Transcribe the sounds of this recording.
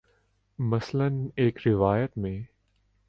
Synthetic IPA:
mɐsləneːkɾɪʋaːjət̪mẽː

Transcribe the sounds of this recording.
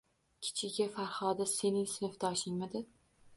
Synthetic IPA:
kʲʰɪ̥t͡ʃʰɪɡʲafaɾhɒd̪ase̞nɪŋsɪnɪfd̪aːʃɪŋmad̪ɪ

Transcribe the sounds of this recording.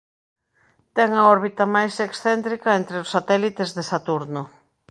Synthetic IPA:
t̪ɛŋɐɔɾβit̪ɐmajseksθɛnt̪ɾikɐent̪ɾeosːat̪ɛlit̪ezðesat̪uɾnʊ

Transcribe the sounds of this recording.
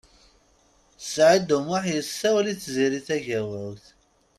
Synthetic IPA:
θə̥sʕid̪ʊmaħjəsːæwæliθziɾiθæʝæwæwθ

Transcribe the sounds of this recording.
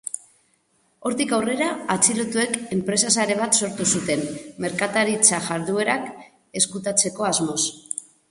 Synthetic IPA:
o̞ɾt̪ikawre̞ɾaat͡silot̪ue̞ke̞mpɾe̞sasaɾe̞β̞at̪so̞ɾt̪usut̪e̞mme̞ɾkat̪aɾit͡saʝaɾðue̞ɾak | e̞skut̪at͡se̞ko̞azmo̞s

